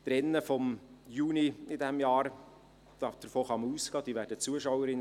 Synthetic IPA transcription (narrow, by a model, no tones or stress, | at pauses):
d̥̪ɾɛnːəfɔmjuːniɪdɛmjɑːɾ | d̥̪ɑd̥̪əɾfoːχɑməuːskɑːd̥̪iːʋæːɾdət͡suəʃawəɾɪn